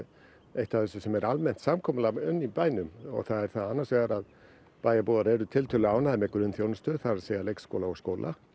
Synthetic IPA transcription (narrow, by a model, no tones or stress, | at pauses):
ejht̪aθɛsʏsɛmɛɾalmɛn̥t̪samkʰɔːmalaʏnːipaːjnʏmɔ̰ɣθaðɛɾ̥θaðanːaɾsvɛːɣaɾað | paːjapowðaɾɛɾʏt̪ʰɪlt̪ʰœlʏaːwnaðɪmɛkɾʏnθjownʏst̪ʏθaɾaseːjalejksko̰wlaɔskoːwlʔa̰